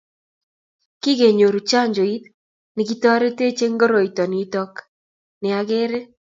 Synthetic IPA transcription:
ki˦ɣe˨ɲo˨ɾu˨t͡ʃa˦ɲd͡ʒo˨i˦t̪̚ | nɪ˨k̬i˦tɔ˦ɾe˦te˦t͡ʃe˦ŋɡo˦ɾo˨i˨tɔ˨ni˨˦tɔ˦k | nɪ˨a˦ɣe˦ɾe˦

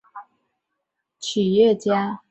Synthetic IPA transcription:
t͡ɕʰi˨˩jɛ˥˨t͡ɕja˦

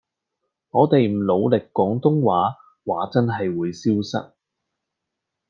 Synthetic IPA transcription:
ŋɔː˨˧t̪e˨jm̩˨˩lo˨˧wlɪ˨kːɔː˨˥ŋt̪ʊ˥ŋwaː˨˥ | waː˨˥t͡sɐ˥nɦɐ˨jwuː˨˧jsiː˥wsɐ̰˥t̚

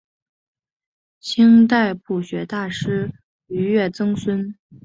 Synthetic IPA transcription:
t͡ɕʰi˥ŋt̪a˥˧ɪpu˥˩ɕɥɛ˧˥t̪a˥˩ʂɻ̩˥ | y˧˥ɥɛ˥˩t͡sɤ˥ŋswə˥n

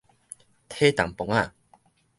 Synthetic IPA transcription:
t̪ʰe˦t̪a˨ŋpo˨ŋa˥˧˨

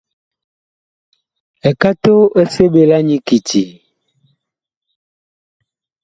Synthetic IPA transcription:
e˨ka˦t̪o˦ʔe˦se˦be˦la˦ɲĩ˦ki˨ti˨

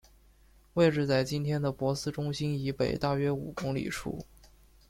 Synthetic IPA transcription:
we˥˧ɪʈ͡ʂɻ̩˥˧t͡sa˥˩ɪt͡ɕi˥nt̪ʰjɛ˥nd̪ə˨˩pwɔ˧˥sɹ̩˥ʈ͡ʂʊ˥ŋɕi˥ni˧˥pe˨˩ɪt̪a˥˩ɥɛ˥ṵ˨˩kʊ˥ŋlḭ˨˩ʈ͡ʂʰṵ˥˩

